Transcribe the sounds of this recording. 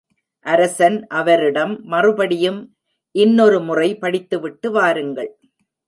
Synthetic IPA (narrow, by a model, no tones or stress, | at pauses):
ʔɐɾɐsɐnʔɐʋɐɾɪɽɐmːɐrɯbɐɽɪjɯm | ʔɪnːɔɾɯmʊrɐɪpɐɽɪt̪ːɯʋɪʈːɯʋaːɾɯŋɡɐɭ